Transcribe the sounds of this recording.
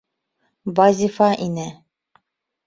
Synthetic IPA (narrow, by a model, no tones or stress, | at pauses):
bazʲifɑʔinɘ